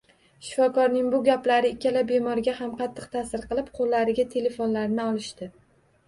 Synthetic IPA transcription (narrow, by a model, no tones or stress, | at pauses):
ʃɪ̥fɒkɒɾnɪŋbʊɡʲaplaɾɪɪkʲːalabe̞mɒɾɡʲahamqʰɑt̪ʰːɨq̚t̪ʰasɪɾqɨlˠɪp̚qʰolːaɾɪɡʲat̪ʰe̞le̞fonlaɾnɪɒlˠɪʃt̪ɪ